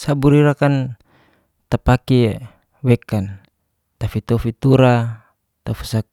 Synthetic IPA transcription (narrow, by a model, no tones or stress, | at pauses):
sabuɾiɾakan | t̪apaki | wɛkan | t̪afit̪ɔfit̪uɾa | t̪afi̥sa